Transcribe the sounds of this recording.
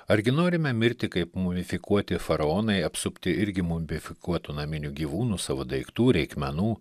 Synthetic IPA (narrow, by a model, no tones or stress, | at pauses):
ɐɾʲɡʲɪnoːɾʲɪmʲɛmʲɪɾʲt̪ʲɪkɐɪpmʊʋʲɪfʲɪkuɔt̪ʲɪfɐɾɐoːnɐɪɐpsʊpʲt̪ʲɪɪɾʲɡʲɪmʊmʲʋʲɪfʲɪkuɔt̪unɐmʲɪnʲuɡʲiːʋuːnuːsɑːʋod̪ɐɪkt̪uːɾʲɛɪkmʲɛnuː